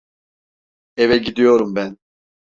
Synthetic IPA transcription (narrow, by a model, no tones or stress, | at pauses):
evɛɟid̪ijo̞ɾumbæn